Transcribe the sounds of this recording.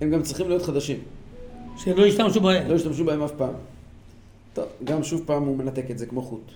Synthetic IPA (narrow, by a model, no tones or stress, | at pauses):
hemɡamt͡sʁiχimlijo̞t̪χad̪aʃim | ʃemlo̞iʃt̪amʃubaemlo̞jiʃt̪amʃ̬ubahemafpaːm | t̪o̞̰vɡamʃuvpaːmume̞nat̪e̞ket̪zekmo̞χut̪